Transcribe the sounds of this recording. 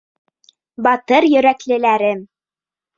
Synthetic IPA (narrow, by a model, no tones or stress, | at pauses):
bɑt̪ɤɾjɵ̆ɾæklɘ̆læɾɘm